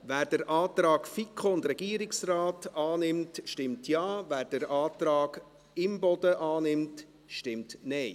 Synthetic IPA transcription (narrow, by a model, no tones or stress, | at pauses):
ʋæːɾd̥əɾʔɑːtɾɑːɡ̥fikχoʊndɾɛɡ̥iːəɾɪksraːtɑːnɪmtʃtɪmtʰjɑːvæːɾd̥əɾɑːtɾɑːɡ | ɪmbɔd̥əʔɑːnɪmt | ʃtɪmtnɛɪ